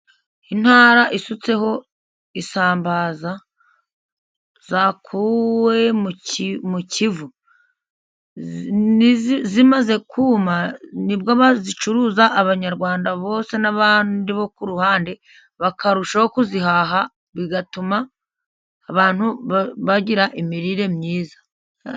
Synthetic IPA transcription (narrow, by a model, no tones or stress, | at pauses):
in̥haːɾaʔisut͡se̞ho̞ | isaːmbaːza | zakʰuwe̞mmucʰivu | zimaze̞kʰuːmanibɡoβazit͡ʃuɾuːzaʔːβaɲaɾɡwaːndaβo̞ːse̞naβaːndiβo̞kuɾuhaːnde | βakaɾuʃahokuziɦaɦa | βiɡatumaː | βaːn̥huββaɟiɾaʔimiɾiɾe̞mɲiːzḁ